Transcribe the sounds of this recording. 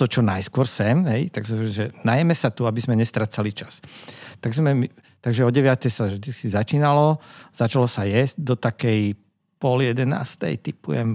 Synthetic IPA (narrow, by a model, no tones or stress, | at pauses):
t̪ɔt͡ʃɔnajskʊɔɾsɛmɦɛjt̪aɡsʒɛnajɛmɛsat̪uabizmɛɲɛst̪ɾat͡salit͡ʃast̪aɡzmɛmit̪aɡʒɛɔɟɛʋɪat̪ɛjsaʒd̪ikizat͡ʃiːnalɔz̥at͡ʃalɔsajɛzɟ̚d̪ɔt̪akɛj | pɔljɛd̪ɛna̰ːst̪ɛ̰jt̪ipṵjɛm